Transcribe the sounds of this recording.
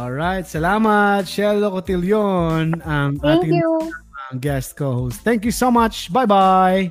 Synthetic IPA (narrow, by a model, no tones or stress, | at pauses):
ʔɔlɹajt̪̚sɐlaːmɐt̪̚ʃɛlːokot̪ɪljonɐmaŋt̪ɪŋɐŋɡɛst̪̚kohost̪ɛ̃ŋkjusomɐt͡ʃbajbaj